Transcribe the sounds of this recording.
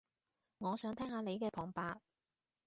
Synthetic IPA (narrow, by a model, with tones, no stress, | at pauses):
ŋɔː˨˧sœː˨˥ŋt̪ʰɛː˥ŋhaː˨˧ne˨˧jkɛː˧pʰɔː˨˩ŋpaː˧t̚